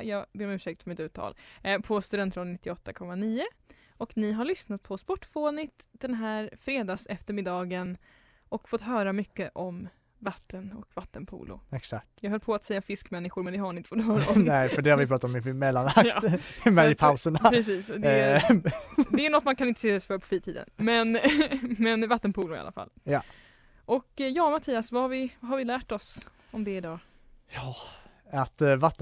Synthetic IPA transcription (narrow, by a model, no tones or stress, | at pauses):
jɑːɡbeːɾɔmʉːʂɛk̚t̪fœɾmɪt̪ʉ̟ːt̪ʰːɑ̰ːlpʰɔst̪ɵd̪ɛnt̪ʰːɾɔnɪt̪ːɪɔt̪ːakʰɔmːaniːə | ɔknɪɦaɭʏsnat̪̚pʰɔspɔʈːfoːnɪt̪d̪̥ɛnɦæːɾfɾeːd̪ɑːsɛft̪əɾmɪd̪ɑːɡən | ʔɔkfɔt̪ɦœːɾamʏkːəʔɔm | vat̪ʰːənɔkvat̪ːənpʰṵːlʊ̰ɛksakt̪jɑːɡɦœlːpʰɔat̪sɛjːafɪskmɛnːɪɧʊɾmɛnd̪ɛɦanɪnt̪əfɔt̪ːhœːɾaɔmɛɪfœɖɛhaɾvɪpɾɑːt̪aɔmɪmɛlːanaktːmɛɪpʰawsəɳappɾɛsiːsɔd̪ɛ | d̪ɛːɳɔt̪mankʰanɪnt̪ə̥seːɔsfœɾpʰɔ̥fiːt̪ʰiːd̪ə̰nmɛnmɛnvat̪ːənpʰuːlʊɾɪ̰a̰lʔa̰fa̰lːja | ʔɔkjɑːmat̪ʰiːasvahaɾvɪvaɦaɾvɪlæːʈɔs | ɔmd̪ɛɪd̪ɑː | jɑː | at̪vat̪ː